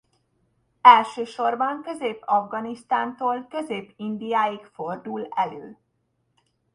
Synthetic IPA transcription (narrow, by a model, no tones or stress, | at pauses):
ɛlʃøːʃo̞rbɒŋkø̞zeːpːɒvɡɒnist̪aːnt̪oːlkø̞zeːpːind̪ijaːjikfo̞rd̪ulɛløː